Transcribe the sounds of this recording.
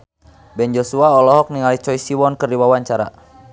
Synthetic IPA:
bɛnd͡ʒɔsuaɔlɔɦɔk̚niŋalit͡ʃɔisiwɔnkɨrdiwawaɲt͡ʃaɾa̰

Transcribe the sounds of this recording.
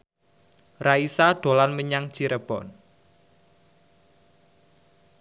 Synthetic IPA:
raisaɖ̥o̤lanməɲaŋ̥t͡ʃiɾəb̥ɔn

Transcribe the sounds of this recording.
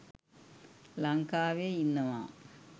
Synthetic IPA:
lɐŋkaːʋeinːɐma̰ː

